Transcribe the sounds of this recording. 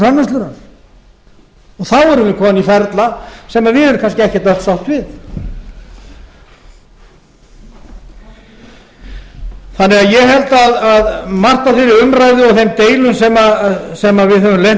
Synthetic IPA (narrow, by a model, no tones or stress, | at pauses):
anːast̪lʏɾan | ɔɣθawɛɾʏmvɪkʰɔːmnifɛɾt̪lasɛmaðvɪðhɛvɾʏkʰanscɪɛhcɛt̪œ̥t̪sawht̪vɪθ | θanːɛɣaðjɛhɛlt̪aðaðmar̥t̪afɪɾɪʏmɾajðʏɔɣθejmt̪eːjlʏnsɛmasɛmavɪðɦœvʏmlejn